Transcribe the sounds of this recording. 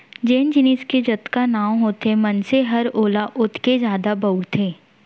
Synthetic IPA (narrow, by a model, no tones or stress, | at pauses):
d͡ʒeːnd͡ʒɪniːsked͡ʒɐt̪kanaːwɦoːt̪emɐnseɦɐɾoːlaʔʊt̪ʰkezjaːd̪abɐʊɽt̪ʰeː